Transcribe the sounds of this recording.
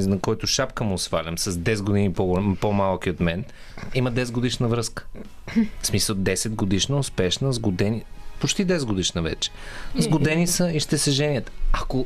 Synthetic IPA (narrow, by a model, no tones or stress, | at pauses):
nɐkɔjt̪ʊʃapkəmʊsfalʲɐmsɐzd̪ɛsɛd̪ɡod̪inipopomalˠkiot̪mɛn | iməd̪ɛsɛd̪ɡod̪iʃnəvɾɤskə̥ | fsmisəlˠd̪ɛsɛd̪ɡod̪iʃnəʊspɛʃnəzɡod̪ɛnipot͡ʃt̪id̪ɛsɛd̪ɡod̪iʃnəvɛ̰t͡ʃɛ̥zɡod̪ɛnisəiʃt̪ɛsɛʒɛniət̪ako